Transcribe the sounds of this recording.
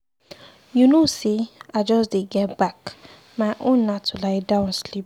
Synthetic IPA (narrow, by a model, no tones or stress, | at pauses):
junosiad͡ʒɔsdeɡɛtbak | maɪʔõnːatʰulaɪdãʊ̃nslip̚